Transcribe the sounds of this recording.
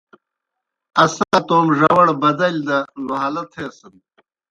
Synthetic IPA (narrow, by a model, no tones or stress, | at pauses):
ɐsat̪oːmʐɐwɐɽbɐd̪ɐlʲd̪ɐnuɦalɐt̪ʰeːsɐn